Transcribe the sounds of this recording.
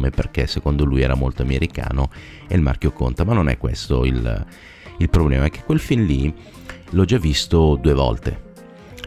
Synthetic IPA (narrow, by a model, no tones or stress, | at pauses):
meperkesːekond̪olujɛːɾamolt̪oameɾika̰ːno | ḛlma̰rk̟joko̰nt̪amanːonɛ̰kːwḛst̪oil | ilpɾoblɛ̰ːmaɛk̟ːe̥kːwelfinli | lɔd͡ʒavːist̪od̪uːevɔ̰lt̪ḛ